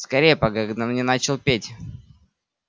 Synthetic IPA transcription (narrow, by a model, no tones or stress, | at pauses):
skɐɾʲejəpɐɡakɐɡd̪amnʲɛnat͡ɕɪlˠpʲetʲ